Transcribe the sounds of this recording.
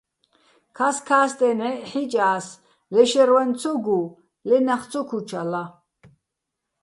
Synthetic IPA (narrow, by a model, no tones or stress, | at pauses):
kʰaskʰaːst̪ʼɛnɛħit͡ʃʼaːs | lɛʃɛɾwant͡sʰɔɡu | lɛnaχt͡sʰɔkʰut͡ʃʰala